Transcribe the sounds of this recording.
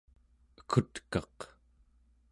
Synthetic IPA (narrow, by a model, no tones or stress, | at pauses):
əkʰut̪kɑq